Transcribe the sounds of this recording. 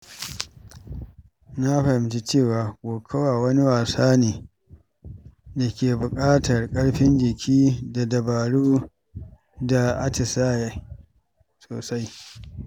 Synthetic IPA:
na˦ɸɐ˨hɪ˨˦mt͡ʃi˦t͡ʃeː˦˨waː˨ɡʷʼoː˨kʰɐ˦waː˨wɐ˦ni˦waː˨saː˦niː˨ | da˨kʲeː˨bʊ˨kʼaː˦tɐ˨rkʼɐ˦ɽɸɪ˦nd͡ʒɪ˨kʲʰiː˦da˨dɐ˨baː˨ɽuː˦ | da˨ʔa˦t͡ʃɪ˨saː˦ja˦˨ | soː˨sa˦j

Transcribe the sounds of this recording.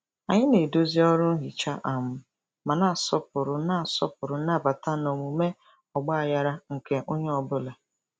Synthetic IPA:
a˨ɲɪ˦ne˨do˦zi˦ɔ˦ɾʊ˦ɦi˨t͡ʃa˦ʔa˨mʊ˦ | ma˨na˦˨a˨sɔ˦pʊ˨ɾʊ˨na˦˨sɔ̰˦pʊ˨ɾʊ˨˦na˦˨ba˨ta˦no˨mu˨me˦ | ɔ˨ɡ͡ba˦a˨ja˦ɾa˦ŋ̩˨ke˦ʔo˦ɲe˦ɔ˨bʊ˦le˨

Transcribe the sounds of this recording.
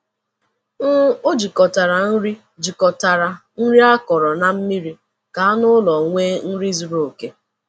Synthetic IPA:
n̩˦o˦d͡ʒi˨kɔ˨ta˨ɾa˨n̩˦ɾi˦ | d͡ʒi˨kɔ˨ta˨ɾa˨n̩˦ɾi˦a˦kɔ˨ɾɔ˨na˨m̩˦mi˦ɾi˦ | ka˨a˦nʊ˦lɔ˨ŋʷeː˦n̩˦ɾi˦zu˨ɾo˨ke˦

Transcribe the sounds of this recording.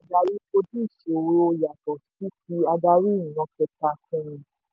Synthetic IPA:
a˨˧da˧ɾi˦ko˧di˦˨ʃe˨˦o˧ja˨tɔ˨i˦ti˧a˧da˧ɾi˦ĩ˨ɔ̃˧kɛ˧ta˧kũ˦ĩ˧˨

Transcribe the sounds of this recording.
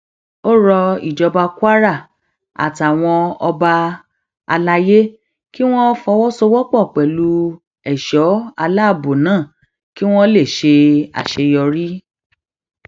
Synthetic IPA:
o˦ɾɔ˧i˨d͡ʒɔ˧ba˧kwa˦ɾa˦˨ | a̰˨ta˨w̃ɔ̃˧ɔ˧ba˧ | a˧la˧je˦ | ki˦w̃ɔ̃˦fɔ˧wɔ˦so˧wɔ˦k͡pɔ˦˨k͡pɛ˨lu˨˦ | ɛ˨ʃɔ˨˦a˧la˦˨bo˨nãː˦˨ | ki˦w̃ɔ̃˦le˦˨ʃe˧a̰˨ʃe˧jɔ˧ɾi˦

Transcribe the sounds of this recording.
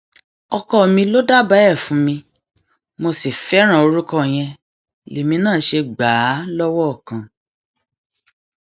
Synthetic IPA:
ɔ˧kɔ˦˨mĩ˧lo˦da˦ba˦ɛ˦˨fũ˨˦mĩ˧ | mo˧si˨fɛ˨˦ɾ̃ã˦˨o˧ɾu˦kɔ˦˨j̃ɛ̃˧ | li˨mĩ˧nãː˦˨˦ʃe˧ɡ͡baː˨˦lɔ˦wɔ˦ɔ˦˨kã˨

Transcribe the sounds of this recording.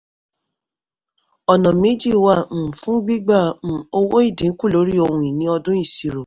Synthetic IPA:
ɔ˨nɔ̃˨mẽ˨˦d͡ʒi˦˨wã˦˨fũ˦ɡ͡bi˦ɡ͡bã˦˨o˧wo˦i˦˨dĩ˨˦ku˦˨lo˨˦ɾi˦o˧hũ˧ĩ˨nĩ˨˦ɔ˧dũ˦i˦˨si˨ɾo˨

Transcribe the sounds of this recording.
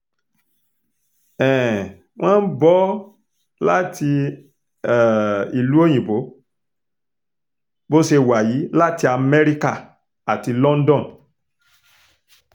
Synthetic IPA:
ɛ̃˨ | w̃ɔ̃ː˦n̩˦bɔ˦ | la˦ti˧˨ | i˨lu˨˦o˦˨j̃ĩ˨bo˨˦ | bo˦ʃe˧wa˨ji˨˦la˦ti˧a˧mɛ˦ɾi˦ka˦˨ | a˨ti˧lɔ̃˦n˦dɔ̃˦˨n

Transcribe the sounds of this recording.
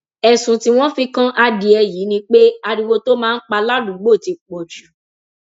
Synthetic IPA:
ɛ˨sũ˨ti˦w̃ɔ̃˦fĩ˧kã˦ʔa˧di˧ɛ˧ji˨˦nĩ˧k͡pe˦a˧ɾi˧wo˧to˦mãː˦˧˦k͡pa˧la˦dũ˨˦ɡ͡bo˦˨ti˨˧k͡po˨d͡ʒu˨˦

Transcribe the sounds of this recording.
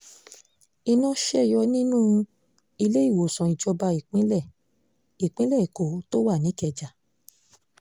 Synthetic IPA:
i˧nã˦ʃɛ˦˨jɔ˧nĩ˦nũ˦ | i˧le˦i˦˨wo˨sã˨i˨d͡ʒɔ˧ba˧i˨k͡pĩ˦lɛ˦˨ | i˨k͡pĩ˦lɛ˦˨i˨ko˨˦to˦wa˦˨nĩ˨˦kɛ˧d͡ʒa˨

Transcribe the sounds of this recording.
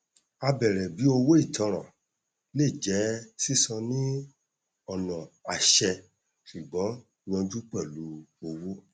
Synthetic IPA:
a˧bɛ˨ɾɛ˨bi˨˦o˧wo˦i˦˨tɔ̃˨˧ɾ̃ã̰˨ | le˦˨d͡ʒɛ˨˦si˦˨sɔ̃˧nĩ˦ | ɔ˦˨nɔ̃˨a˨ʃɛ˧ | su˨ɡ͡bɔ˨˦ | i˧w̃ɔ̃˧d͡ʒu˦k͡pɛ˦˨lu˨˦o˧wo˦

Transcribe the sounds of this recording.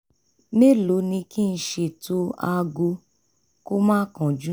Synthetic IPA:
ne˦lo˨˦nĩ˧ki˦n̩˧˦ʃe˧˨to˧a˧ɡu˧ | ko˦mãː˦kã˨d͡ʒu˦

